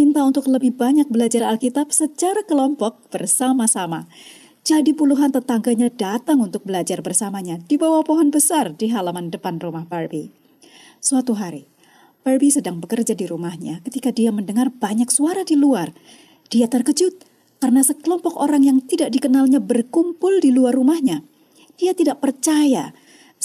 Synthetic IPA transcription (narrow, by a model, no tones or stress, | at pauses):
mint̪aunt̪ʊkləbɪhbaɲak̚bəlad͡ʒaralkit̪ap̚sət͡ʃaɾakəlɔmpɔk̚b̥ərsamasama | d͡ʒadipuluɦant̪ət̪aŋɡaɲadat̪aŋunt̪ʊk̚bəlad͡ʒarbərsamaɲadibawahpoɦɔnbəsardiɦalamandəpanrumahbarbi | suat̪uɦaɾi | b̥arbisədaŋbəkərd͡ʒadiɾumahɲakət̪ikadiaməndəŋarbaɲaksuaɾadiluar | d̥iat̪ərkəd͡ʒʊt̪̚ | kaɾənasəkəlɔmpɔkoɾaŋjaŋt̪idaʔ̚dikənalɲabərkumpʊldiluarːumahɲa | d̥iat̪idaʔpərt͡ʃaja